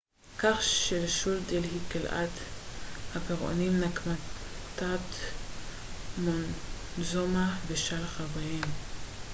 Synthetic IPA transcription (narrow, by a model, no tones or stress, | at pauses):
kaχʃelʃuld̪elhikelʔa̰t̪ | hapeʁo̰nimnakmat̪at̪ | monzomabeʃalχavajem